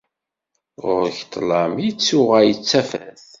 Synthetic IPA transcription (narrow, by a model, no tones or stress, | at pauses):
ʁʊ̰ɾçt̪ˤːlɑmjit͡sːʊʁæjət͡sːæfæθ